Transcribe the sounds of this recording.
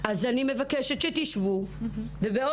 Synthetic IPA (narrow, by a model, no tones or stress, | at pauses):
ʔazanime̞vakeʃet̪ʃet̪iʃvubebeo